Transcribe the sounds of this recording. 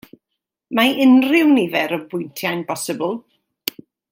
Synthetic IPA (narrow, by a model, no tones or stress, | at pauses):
maɪnrɪwnivɛɾəbʊjntʰjajnpɔsəbəlˠ